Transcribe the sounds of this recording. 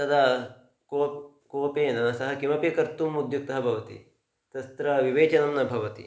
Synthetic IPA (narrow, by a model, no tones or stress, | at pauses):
t̪ɐd̪a | koː | koːpeːnɐnɐsɐɦɐkimɐpjɐkɐɾt̪umud̪juk̚t̪ɐɦɐbʱɐʋɐt̪ḭ | t̪ɐst̪ɾɐʋiʋeːt͡ʃɐnɐmnɐbʱɐʋɐt̪ḭ